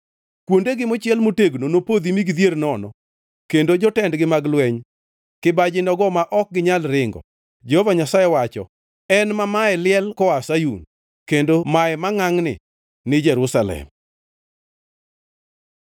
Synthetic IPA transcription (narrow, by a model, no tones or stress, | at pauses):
kwondeɡɪmot͡ʃjɛlmoteɡnonopod̪imiɡd̪jernɔnɔ̰ | kendod͡ʒɔtɛndɡɪmaɡlwɛɲ | kɪbad͡ʒɪnɔɡɔmaʔɔk̚ɡɪɲalɾɪŋɡɔ̰ | d͡ʒɛhɔvaɲasajɛwat͡ʃɔ̰ | ɛnmamaɛlɪɛlkɔasajun | kendomaɛmaŋaŋnɪ̰ | nɪd͡ʒɛɾusalɛ̰m